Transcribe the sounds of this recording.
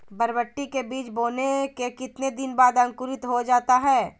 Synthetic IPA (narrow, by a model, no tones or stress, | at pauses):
bɐɾbəʈːikebiːt͡ʃboːnekekɪt̪ned̪ɪnbaːd̪ɐ̃ŋkʊɾɪt̪ɦod͡ʒaːt̪aɦɛː